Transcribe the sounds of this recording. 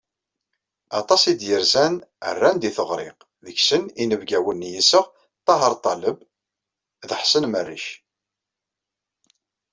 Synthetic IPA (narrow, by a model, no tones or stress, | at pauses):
ɑt̪ˤɑsid̪jəɾzænə̰rːænd̪iθəʁɾɪ̰q | ðəçsəninəvɡæwənːjisəʁ | t̪ˤːɑɦəɾˤt̪ˤɑləb | ðəħsənmərːḭʃ